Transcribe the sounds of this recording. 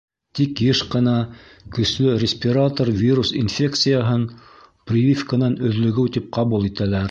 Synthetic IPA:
t̪ikjɘʃqɤ̆nɑ | kɵ̆slɵɾʲɪsʲpʲɪɾat̪orvʲiɾusinfʲe̞kt̪sɨjaɦɤn | prʲɪvʲifkənɑnɵ̆ðlɵ̆ɡɘwt̪ip̚qɑβulˠit̪ælæɾ

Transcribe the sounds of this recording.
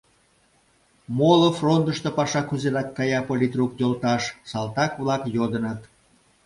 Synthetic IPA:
molofront̪əʃt̪opɑʃɑkyzeɾɑkːɑjɑpolʲit̪rukj̪olt̪ɑʃsɑlt̪ɑkβlɑkjod̪ə̆nət̪

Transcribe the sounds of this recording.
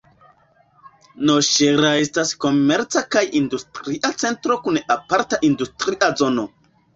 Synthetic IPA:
noʃeɾae̞stasko̞me̞ɾt͡sakajindustɾiʔat͡se̞ntɾo̞kunapaɾtaʔindustɾiʔazo̞no̞

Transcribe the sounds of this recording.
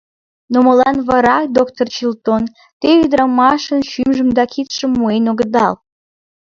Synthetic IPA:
noməlɑnβɑɾɑkd̪okt̪ort͡ɕilt̪on | t̪eyd̪ɾɑmɑʃənʃymʒəmd̪ɑkit̪ʃə̆mːuenoɣəd̪ɑl

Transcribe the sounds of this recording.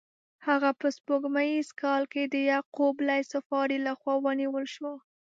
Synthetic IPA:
haɣapəspoɡmajizkɑlked̪əjaqoblajsafɑɾilaxwɑwəniwəlʃwa

